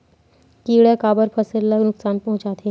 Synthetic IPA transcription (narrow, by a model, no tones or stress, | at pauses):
kiːɽekaːbəɾpʰəsəɾɐləɡnʊksaːnpɐɦʊ̃t͡ʃaːt̪ʰe